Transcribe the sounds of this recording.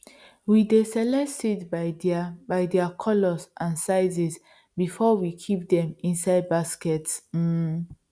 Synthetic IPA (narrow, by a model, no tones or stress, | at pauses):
widesɛlɛsitbabaɪdɛakʰɔlɔsʔãnsaɪzis | bifɔwikʰip̚dɛ̃mĩnsaɪd̚baskɛts̩